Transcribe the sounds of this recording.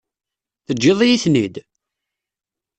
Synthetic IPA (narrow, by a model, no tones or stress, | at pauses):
θəd͡ʒːɪðˤjiθnid̪